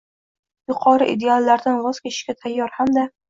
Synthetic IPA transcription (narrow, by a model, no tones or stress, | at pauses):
jʊqʰɒɾɪʔid̪ealˠːaɾd̪anvɒz̥kʲet̪ɪ̥ʃkʲat̪ʰajːɒɾhamd̪a